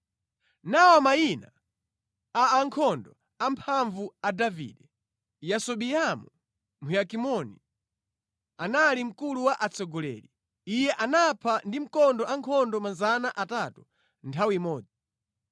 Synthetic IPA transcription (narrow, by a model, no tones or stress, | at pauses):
nawɔmajina | aːŋkʰɔndɔ | ampʰaɱvuadavḭːdɛ | jasɔɓiamu | mujakimɔni | analim̩kuluwaʔat͡sʰɔɡɔlɛ̰li | ijɛʔanapʰandim̩kɔndɔʔaŋkʰɔndɔmazanaʔatatu | ntʰawiimɔːd͡zi